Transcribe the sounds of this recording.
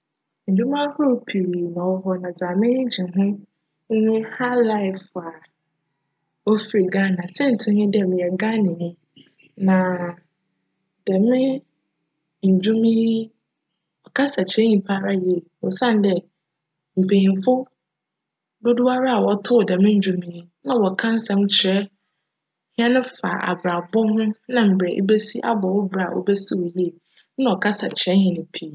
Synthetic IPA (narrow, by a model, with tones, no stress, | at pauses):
n̩˨dʊ˦mã˦hʊ˦˨pʰi˨ɾi˨nã˨wɔ˦ɦɔ˦nã˨d͡zaː˨mɪ̃˦n˦d͡ʑĩ˨ɦʊ̃˦ | ŋ̩˦nʊ̃˦ha˦la˦ɪ˨fa˨ | ɔ˦fi˨ɾi˨ɡa˦˨nã˨sɛ̃˦n̩˨tʰɪ̃˦nɪ̃˦dɛ˨mɪ̃˨ɛ˨ɡã˦nɪ̃˨nʊ̃˦ | nã˨ | dɛ˨mɪ̃˦ | n̩˨d͡ʑʊ˦mĩ˦ | ɔ˨kʰa˦sa˨t͡ɕʰɛ̃˦ɲĩ˨pʰa˦ɾa˦jɛ˦˨wɔ˨sã˦n˨dɛ˦ | m̩˨pʰẽ˨ĩ˨n˨fʊ˦ | do˦du˦a˦ɾa˦a˨wɔ˨tʰʊ˦˨dɛ˨mɪ̃˦ɲ̩˨˦d͡ʑᶣu˦mĩː˦ | nã˨wɔ˨kʰã˦n̩˦sɛ̃˦m˦t͡ɕʰɪ˨ɛ˦ | hɪ̃˦ɛ̃˦nʊ̃˦fa̰˨ʔa̰˨bɾa˨bɔ˦hʊ̃˦nã˨m̩˨bɛ˨ʔḛ˦be˦si˦ʔa̰˦bɔ˨wɔ˦bɾa˨ʔɔ̰˦bɛ˦si˦wɔ˨je˦˨ | nã˦ɔ˨kʰa˦sa˨t͡ɕʰɛ̃˦nhɪ̃˨nʊ̃˨pʰi˨